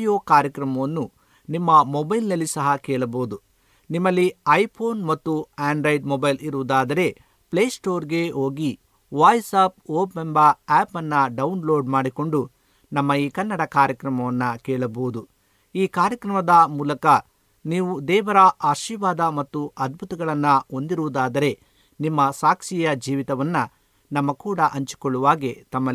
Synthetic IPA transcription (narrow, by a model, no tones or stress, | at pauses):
joːkaːɾjɐkɾɐmɐʋɐnːu | nimːɐmɔbɐjlnɐlːisɐɦɐkɛːɭɐboːud̪u | nimːɐlːiɐjpʰoːnmɐt̪ːuaːɳɖɾɐjɖmɔbɐjliɾuʋud̪aːd̪ɐɾe̞ | pleːsʈo̞ːɾɡe̞ɦo̞ːɡi | ʋaːjsap̚oːpːembɐɛːpɐnːɐɖɐunlo̞ːɖmaːɽiko̞ɳɖu | nɐmːɐiːkɐnːɐɽɐkaːɾjɐkɾɐmɐʋɐnːɐkɛːɭɐboʋud̪u | iːkaːɾjɐkɾɐmɐd̪ɐmuːlɐkɐ | niːʋud̪ɛːʋɐɾɐʔaːʃiːʋaːd̪ɐmɐt̪ːuɐd̪̚bʱut̪ɐɡɐɭɐnːɐo̞nd̪iɾuʋud̪aːd̪ɐɾe̞ | nimːɐsaːkʂijɐd͡ʒiːʋit̪ɐʋɐnːɐ | nɐmːɐkuːɽɐʔɐɲt͡ʃu̥koɭːuʋaːɡet̪ɐmːɐ